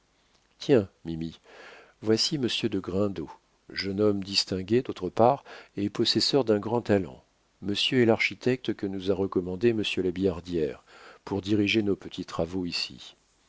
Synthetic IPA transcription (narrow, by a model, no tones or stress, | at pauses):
t̪jɛ̃mimi | vwasiməsjød̪əɡʁɛ̃d̪o | ʒənɔmd̪ist̪ɛ̃ɡʲed̪ot̪χəpaʁepɔsɛsœʁd̪ɛ̃ɡʁɑ̃t̪alɑ̰̃ | məsjøɛlaʁʃit̪ɛk̚t̪kənuzaʁəkɔmɑ̃d̪eməsjølabijaʁd̪jɛʁpuʁd̪iʁiʒenopət̪ʰit̪χavoisḭ